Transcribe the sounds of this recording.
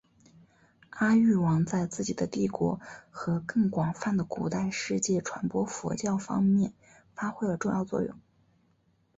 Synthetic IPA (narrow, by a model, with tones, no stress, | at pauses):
a˥y˥˩wɑ˧˥ŋt͡sa˥˧ɪt͡sɹ̩˥˩t͡ɕi˨˩d̪ə˦t̪i˥˩kwɔ̰˧˥xɤ˧˥kɤ˥˩ŋkwɑ˨˩ŋfa˥˩nd̪ə˩ku˨˩t̪a˥˧ɪʂɻ̩˥˧t͡ɕjɛ˥˩ʈ͡ʂʰwa˧˥npwɔ˥fɔ̰˧˥t͡ɕjɑ˥˩ʊfɑ̰˥ŋmjɛ˥˩n | fa˥xwe˥ɪlə˨˩ʈ͡ʂʊ˥˧ŋjɑ˥˧ʊt͡swɔ̰˥˧jʊ̰˥˩ŋ